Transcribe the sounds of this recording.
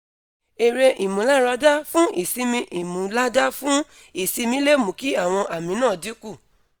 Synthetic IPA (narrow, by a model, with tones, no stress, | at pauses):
e˨ɾe˧ʔi˨mũ˨˦la˦ɾa˧da˦fũ˦ʔḭ˨si˧˦mĩ˧ʔi˨mũ˨la˦da˦fũ˦ | i˦˨si˧mĩ˧˦le˦˨mũ˨˦ki˨˦a˦˨w̃ɔ̃˧ʔa˨mĩ˨˦nãː˦˨di˨˦ku˦˨